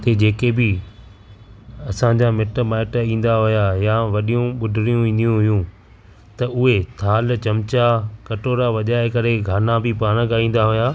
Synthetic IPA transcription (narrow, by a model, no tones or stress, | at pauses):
t̪eːd͡ʑeːkebɪ | ɐsãɲd͡ʑamɪʈmaːɪʈĩːn̆d̪aɦʊjajaʋɐɗijũɓʊɖʱɪɾijũĩːnd̪ijũɦʊjũ | t̪ɐʊɦet̪ʰaːlt͡ɕɐmt͡ɕakɐʈoːɾaʋɐʄaːekɐɾeɡʱaːnãbʱɪpaːɽ̃əkaĩːn̆d̪aɦʊjaː